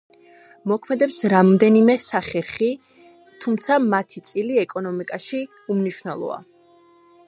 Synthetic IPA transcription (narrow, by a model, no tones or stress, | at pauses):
mɔkʰmɛd̪ɛpsɾamɔd̪ɛnimɛsaχɛɾχi | t̪ʰumt̪sʰamat̪ʰit̪sʼiliɛkʼɔnɔmikʼaʃi | umniʃwnɛlˠɔ̰a̰